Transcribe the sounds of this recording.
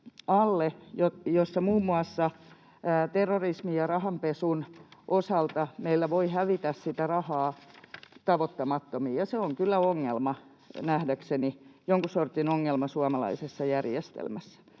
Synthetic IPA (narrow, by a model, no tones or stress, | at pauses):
ɑlːejojosːɑmuːmːuɑsːɑː | t̪erːorismijɑrɑhɑmpesunʔosɑlt̪ɑmeilːæʋoihæʋit̪æssit̪ærɑhɑː | t̪ɑʋot̪ːɑmɑt̪ːomiːjɑseoŋkylːæoŋːelmɑ | næhdæksenijoŋkusort̪inoŋːelmɑsuɑmɑlɑ̰isesːɑjærjest̪ḛlmæsːæ̥